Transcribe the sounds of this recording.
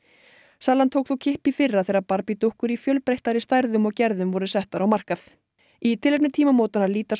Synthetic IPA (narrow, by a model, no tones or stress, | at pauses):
saːlant̪ʰowkθowcʰɪhpɪfɪrːaθejɾaɾpaɾpit̪uhkʏɾifjœlpɾejht̪aɾɪst̪ajɾðʏmɔɣcɛɾðʏmvɔɾðʏsɛht̪aɾawmar̥kaθ | it̪ʰɪlɛp̚nɪɾt̪ʰiːmamoːwt̪anaɾliːt̪as